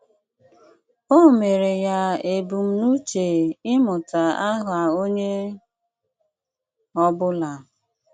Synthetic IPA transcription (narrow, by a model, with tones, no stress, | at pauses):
o˦me˨ɾe˨ja˨e˨bu˨m̩˦nu˦t͡ʃe˨ɪ˦mʊ˨ta˨a˦ɦʊ˨a˨o˦ɲe˦ | ɔ˦bʊ˦la˨